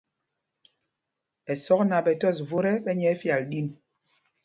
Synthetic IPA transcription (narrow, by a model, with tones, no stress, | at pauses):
ɛ˨sɔ˦kna˨ɓɛ˨tɔ˦˨s̬vo˦ɾɛ˦ɓɛ˦ɲɛ˨˦fja˨lɗi˦˨n